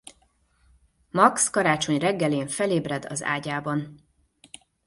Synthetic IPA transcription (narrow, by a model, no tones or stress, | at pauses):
mɒkskɒɾaːt͡ʃo̞ɲrɛɡːɛleːɱfɛleːbrɛd̪ɒ̰za̰ːɟaːbɒn